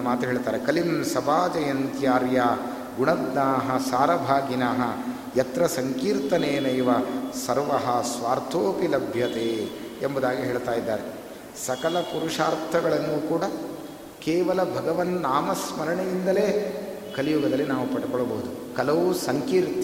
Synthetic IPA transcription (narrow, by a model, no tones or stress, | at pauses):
ɐmaːt̪uɦeːɭt̪aːɾekɐlinsɐbaːd͡ʒɐjɐnt̪jaːɾjaː | ɡuɳɐd̪naːɦɐsaːɾɐbʱaːɡinaːɦɐ | jɐt̪ɾɐsɐŋkiːɾt̪ɐneːnɐjʋɐsɐɾʋɐɦɐsʋaːɾt̪ʰoːpilɐbʱjɐt̪eː | embɐd̪aːɡiɦeːɭt̪aːjid̪ːaːɾe | sɐkɐlɐpuɾuʂaːɾt̪ʰɐɡɐɭɐnːuːkuːɽɐ | keːʋɐlɐbʱɐɡɐʋɐnːaːmɐsmɐɾɐɳejind̪ɐleː | kɐlijuɡɐd̪ɐlːinaːʋupɐɽukɔɭːɐbɐɦud̪u | kɐlɐʋusɐŋkiːɾt̪